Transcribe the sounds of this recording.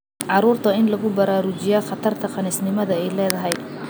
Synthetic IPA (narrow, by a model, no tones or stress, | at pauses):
ʕɑɾuːrt̪ʰɐɪnlɐɣʊbɐɾaːɾʊt͡ʃɪjaːχɑt̪ʰɐrt̪ʰɐqɑniːsnɪmɐðɐɛjlɛːðɐɦɛj